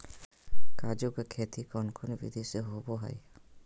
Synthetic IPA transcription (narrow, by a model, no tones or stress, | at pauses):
kaːd͡ʒokekʰeːt̪ʰikɔːnkʰonbḭd̪ʱiseɦoboɦa̰i